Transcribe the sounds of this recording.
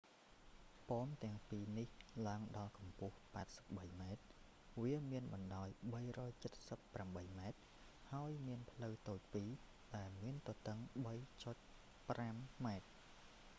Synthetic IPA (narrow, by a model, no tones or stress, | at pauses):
poːmt̪ɛ̆əŋpiːnihlaəŋɗɑlkɑmpʊ̆əhpaɛt̪̚sə̥p̚ɓəjmaɛt̪̚ | ʋiəmiənɓɑnɗaɔjɓəjrɔːjt͡ɕət̪̚səpːramɓəjmaɛt̪̚ | haəjmiənpʰləwt̪oːc̚piː | ɗaɛlmiənt̪ot̪əŋɓəjt͡ɕoc̚ | pramːaɛt̪̚